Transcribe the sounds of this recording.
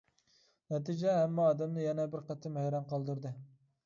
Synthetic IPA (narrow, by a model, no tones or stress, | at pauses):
nɛt̪ʰid͡ʒɛɦːmːɑːd̪ɛmnɪjɛnɛbɪɾqæt̪ʰːɪmɛjɾɑnqʰɑlˠd̪uɾd̪ɨ